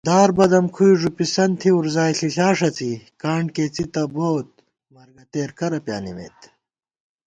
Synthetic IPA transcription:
d̪aːɾbɐd̪ɐmkʰujʐupisɐnt̪ʰiuɾzaːiɬiɬaːʂɐt͡sikaːɳkeːt͡sit̪ɐboːt̪̚ | mɐɾɡɐt̪eːɾkʰɐɾɐpja̰ːnimḛːt̪

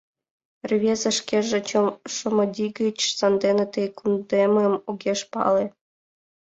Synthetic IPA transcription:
rʲvʲezə̆ʂkʲeʐĕt͡ɕŏmʂɤ̆mɤ̆d̪ʲiɡʲət͡ɕsɑnd̪enĕt̪ejkund̪emɤmuɡʲeʂpɑ̰le

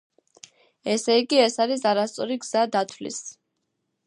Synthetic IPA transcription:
ɛsɛiɡiɛsaɾisaɾast̪sʼɔɾiɡz̥ad̪at̪ʰwlḭs

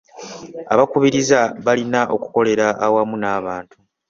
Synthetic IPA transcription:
aβakuβiɾizaβalinaʔo̞̰ku̥ko̞le̞ɾaʔːwamunaːβaːntu

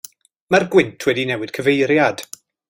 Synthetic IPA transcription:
marɡwɪntʰwɛdinɛwɨd̥kʰəvejɾjad̥

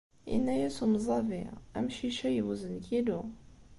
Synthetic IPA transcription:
ḭnːæjæsumzˤɑviæmʃiʃæjwuzənkid̪u

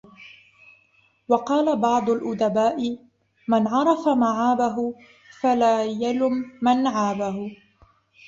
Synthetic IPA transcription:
wɑqɑːlabɑʕd̪ˤʊlʔʊd̪abaːʔɪ | manʕɑɾˤɑfamaʕaːbaɦʊ | falaːjalʊmːanʕaːbaɦʊ

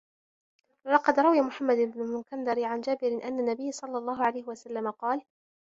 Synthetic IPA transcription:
lɑqɑd̪ɾˤɑwjamʊħamːad̪ɪbnʊlmʊkand̪ɑɾɪʕand͡ʒaːbɪɾɪʔanːanːabɪjːsˤɑlːɑlˤːɑːɦʊʕalajhɪwasalːamaqɑːl

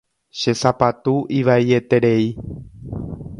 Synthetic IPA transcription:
ʃe̞sapat̪uʔiʋaie̞t̪e̞ɾe̞i

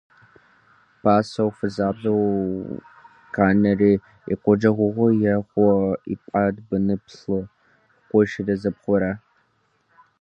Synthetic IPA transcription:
pʰaːsɐwfɨzaːbɐw | kʰaːnɐriː | ḭqʷɔd͡ʒɐʁʷʊʁʷɔjɛχʷɔḭpʼadbɨnɨpɬɨ | qʷɔʃɪdɐzɐpχʷɔɾɐ

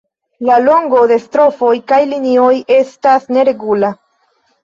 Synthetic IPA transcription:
lalo̞ŋɡo̞de̞stɾo̞fo̞jkajlinio̞je̞stasne̞ɾe̞ɡula

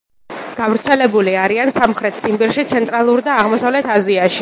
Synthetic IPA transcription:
ɡ̥avɾt̪sʰɛlɛbuliaɾiansamχɾɛt̪̚ʰt̪sʰimbiɾʃit̪sʰɛnt̪ʼɾalˠuɾd̪aːʁmɔsavlɛt̪ʰaziaʃi

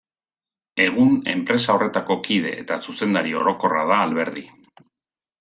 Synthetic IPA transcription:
e̞ɣ̞une̞̰mpɾe̞sao̞re̞t̪ako̞kið̞e̞̰ʔːt̪asuse̞nd̪aɾio̞̰ɾo̞ko̞ra̰ðaːlβe̞ɾði

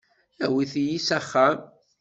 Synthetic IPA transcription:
æwiθijisæχːam

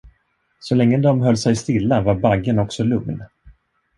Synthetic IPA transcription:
sɔlɛŋːəd̪ɔmɦœlːsɛjst̪ɪlːavaɾbaɡːənɔksɔlɵŋn

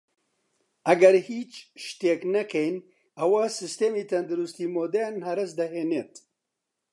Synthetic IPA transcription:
ʔɐɡɐɾhiːt͡ʃʃt̪eːknɐkʰɛjn | ɐwɐsɨst̪eːmiːt̪ʰɐnd̪ɨɾust̪iːmoːd̪ɛnhɐɾɨsd̪ɐɦeːneːt̪

